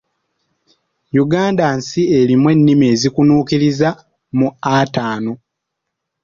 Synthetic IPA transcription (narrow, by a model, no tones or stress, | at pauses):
juɡaːndansie̞limwe̞nːime̞ːzikunuːkiɾiza | muataːno̞